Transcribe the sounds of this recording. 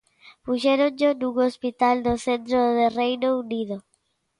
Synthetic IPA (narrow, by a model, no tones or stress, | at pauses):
puʃeɾõnd͡ʒonuŋospit̪ald̪oθẽnt̪ɾoðerejnouniðo